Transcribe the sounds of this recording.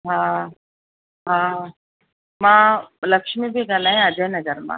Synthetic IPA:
ɦã | ɦã | mãləkʂmibʱiɡʱalaɦẽad͡ʒanəɡəɾmã̰

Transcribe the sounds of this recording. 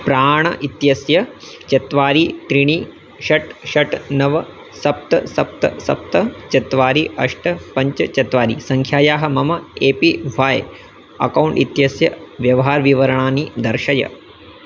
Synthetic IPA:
pɾaːɳɐʔit̪jɐsjɐt͡ʃɐt̪ʋaːɾit̪ɾiɳi | ʃɐʈʃɐʈnɐʋɐ | sɐp̚t̪ɐ̰sɐp̚t̪ɐ̰sɐ̰p̚t̪ɐt͡ʃɐt̪ʋaːɾiʔɐʂʈɐpɐɲt͡ʃɐt͡ʃɐt̪ʋaːɾisɐŋkʰjaːjaːɦɐ̆mɐmɐeːpiʋaːj | ɐ̰kɐwɳʈit̪jɐsjɐʋjɐʋɐɦaːɾʋiʋɐɾɐɳaːnid̪ɐɾʃɐjɐ̰

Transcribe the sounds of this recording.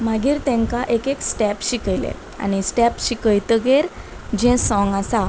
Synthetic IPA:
maɡiːɾt̪ɛ̃ŋkaʔekeksʈɛpɕikəjlḛ | a̰ɽ̃isʈɛpɕikəjt̪əɡeɾ | d͡ʑɛ̃sɔ̃ŋɡasa

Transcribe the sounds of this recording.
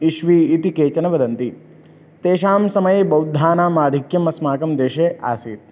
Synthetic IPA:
iʃʋiːt̪ikeːt͡ʃɐnɐʋɐd̪ɐnt̪i | t̪eːʃaːmsɐmɐjebɐwd̪ʱːaːnaːmaːd̪ʱikjɐmɐsmaːkɐmd̪eːʃeːʔa̰ːsiːt̪̚

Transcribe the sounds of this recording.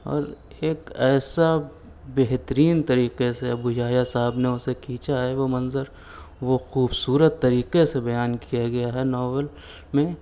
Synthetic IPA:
ɔ̰ːɾ | eːkɛːsa | beɦt̪əɾiːnt̪ɐɾiːqeseɐbud͡ʒaːjasaɦɪbneʊsekʰiːt͡ʃaɦɛʋomɐnzəɾ | ʋoxuːbsuːɾət̪ːɐɾiːqesebɐjaːnkijaɡɐjaɦɛnɔːʋəl | mẽ

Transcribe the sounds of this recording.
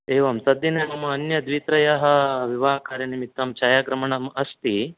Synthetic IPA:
eːʋɐmt̪ɐd̪ːinɛɳumɐːnjɐd̪ʋiːt̪ɾɐjɐɦɐʋiʋaːkaːɾjɐnimit̪ːɐmt͡ʃaːjaːɡɾɐmɐɳɐmɐst̪i

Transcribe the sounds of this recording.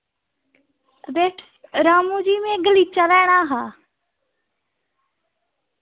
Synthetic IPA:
beːʈʰ | ɾaːmũːd͡ʒiːmẽɡəliːt͡ʃalɛːɽ̃aːɦaː

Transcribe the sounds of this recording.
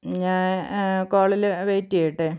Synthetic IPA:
ɲaːnkoːɭilʋeːtːiɐjiʈːɨ

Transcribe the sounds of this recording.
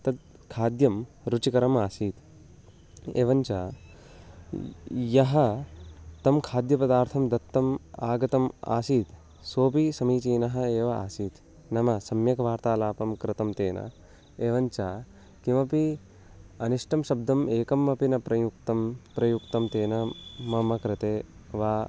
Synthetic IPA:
t̪ɐd̪̚ | kʰaːd̪jɐm | ɾut͡ʃikɐɾɐmaːsiːt̪ | ḛːʋɐɲt͡ʃaː | jɐɦɐ | t̪ɐmkʰaːd̪jɐpɐd̪aːɾt̪ʰɐmd̪ɐt̪ːɐmaːɡɐt̪ɐma̰ːsiːt̪ | soːpisɐmiːt͡ʃiːnɐɦɐ̆eːʋɐa̰ːsiːt̪ | nɐmɐsɐmjɐkɐʋaːɾt̪aːlaːpɐmkɾɪt̪ɐmt̪eːnɐ̰ | eːʋɐɲt͡ʃaː | kimɐpi | ɐniʂʈɐmʃɐb̚d̪ɐmeːkɐmːɐpinɐpɾɐjuk̚t̪ɐmpɾɐjukt̪ɐmt̪eːnɐmɐmɐkɾɪt̪eː | ʋaː

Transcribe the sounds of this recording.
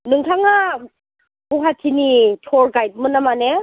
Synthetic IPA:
nɯŋtʰaŋa | buɦatʰinitʰɔɾɡajt̚mɯnamane

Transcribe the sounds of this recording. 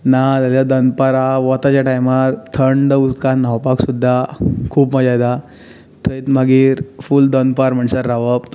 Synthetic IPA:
nat̪aljad̪ənpaɾaʋɔt̪at͡ɕjaʈajmaɾt̪ʰəɳɖ̪əust̪kanawpaksud̪ʱːakʰuːpməd͡zajd̪a | t̪ʰəit̪maɡiːɾfuːld̪ənpaɾm̤əɳsəɾːaʋəp

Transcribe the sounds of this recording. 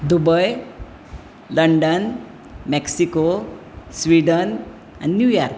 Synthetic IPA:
d̪ubəj | ləɳɖən | meksiko | sʋiːɖən | ɛ̰̃ɳɖnjuːjaɾk

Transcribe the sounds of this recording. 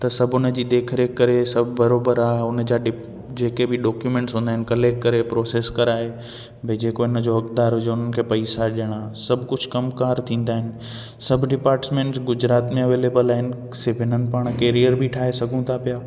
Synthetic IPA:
t̪ɐsɐbʱʊnəd͡ʑiːd̪eːkʰɾeːkːɐɾesɐbʱbɐɾoːbəɾaːɦeʊnə̆d͡ʑaːɖɪ | d͡ʑeːkebɪɖɔːkjumẽːɳʈsɦũːnd̪aːɦɪnɪ̆kɐleːkʈ̚kɐɾepɾoːseːskɐɾaːɦe | bʱɪd͡ʑeːkoɦɪnəd͡ʑoɦɐkd̪aːɾɦʊd͡ʑeʊn̤ənɪ̆kʰeːpɐisaɗiəɽ̃asɐbʱkʊd͡ʑʱkɐmkaːɾt̪ʰĩːn̆d̪aːɦɪnɪ̆ | sɐbʱɖɪpaːɾʈsmẽːɳʈsɡʊd͡ʑɾaːt̪mẽɐʋeːleːbəlaːɦɪnɪ̆ | sɪfʰɪn̤ənpaːɽ̃keːɾijəɾbʱiʈʰaːɦesɐɡʱũt̪ʰapijaː

